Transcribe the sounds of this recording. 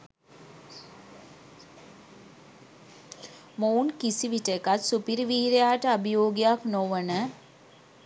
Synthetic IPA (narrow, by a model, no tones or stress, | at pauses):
mounkisiʋiʈəkat̪supiɾʋiːɾejaːʈəɐbijoːɡjaknoʋənə